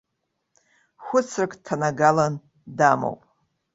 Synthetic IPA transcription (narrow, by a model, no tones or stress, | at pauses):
xʷʊt͡sʰrkʼtʰːanaɡalan | damo̰wpʼ